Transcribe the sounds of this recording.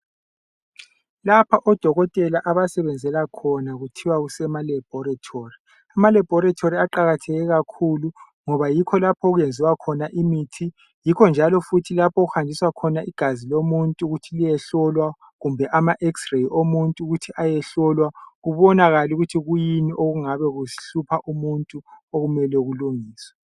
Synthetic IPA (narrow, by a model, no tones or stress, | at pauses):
lapʰaʔɔd̥ʱɔɣɔtʼɛlaʔaβasɛβɛnd͡zʱɛlakʰɔnaɣutʰiwaɣusɛmalɛb̥ʱɔɾatʰori | amalɛb̥ʱɔɾatʰoɾiaǃaɣatʰɛɣɛɣakʰulu | ŋɔβajikʰɔlapʰɔɣujend͡zʱiwakʰɔnaʔimitʰi | jikʰɔnd͡ʒʱalɔfutʰilapʰɔɣuhandʱiswakʰɔnaʔiɡ̥ʱazilomuntʼuɣutʰilijɛɬɔlwa | ɣumbʱɛʔamaʔɛksrejʔomuntʼuɣutʰiʔajɛɬɔlwaɣuβɔnaɣaluɣutʰiɣujiniʔoɣuŋaβɛɣuɬupʰaʔumuntʼuoɣumɛlɛɣuluŋiːswɛ